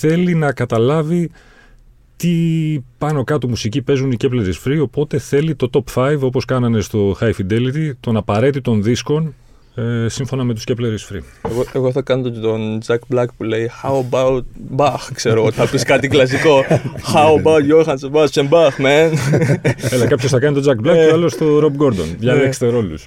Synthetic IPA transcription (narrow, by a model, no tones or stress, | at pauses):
θe̞linɐkɐt̪ɐlɐvi | t̪ipɐno̞kɐt̪umusicipe̞zuniceple̞ɾisfɾio̞po̞t̪e̞θe̞lit̪o̞t̪o̞pfɐjvo̞po̞skɐnɐne̞st̪o̞xɐjfid̪e̞lit̪it̪o̞nɐpɐɾe̞t̪it̪o̞nðisko̞n | esiɱfo̞nɐme̞t̪usceple̞ɾisfɾieɣoeɣo̞θɐkɐnot̪ot̪ond͡zɐkblɐkpule̞ixawɐbawt̪̚bɐxkseɾoɣot̪iθɐpiskɐt̪iklɐs̬iko̞xaubawt̪joxɐnsebɐsembɐxmen | elɐkɐpçosθɐkɐnit̪od͡zɐkblɐkuɐlest̪o̞ɾobɡo̞ɾd̪o̞nʝɐlekst̪e̞ɾo̞lus